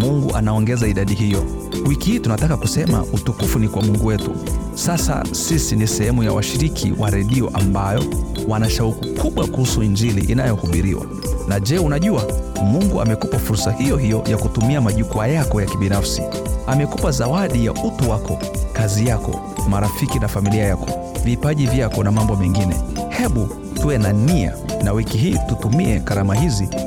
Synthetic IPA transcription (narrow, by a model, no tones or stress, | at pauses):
muŋɡuʔanaɔŋɡɛzaiɗaɗiɦijɔ | wikihiːtunatakakusɛma̰utukufunikwamuŋɡuwɛtṵ | sasa̰sisinisɛhɛmujawaʃiɾikʰḭwaɾɛɗiɔʔambajɔ | wanaʃaukukuɓwakuhusuiɲd͡ʒilḭʔːnajɔhuɓiɾiwa̰ | naʄɛːunaʄuamuŋɡua̰mɛkupafuɾsahijɔɦijɔjakutumiamaʄukuajakɔjakiɓinafsi | amɛkupazawaɗijaʔutuwakɔ | kazijakɔ̰ | maɾafikinafamiliajakɔ | vipaʄivjakɔnamambɔmɛŋɡinɛ̰hɛɓu | tuɛnania̰nawikiɦiːtutumiɛɣaɾamahizi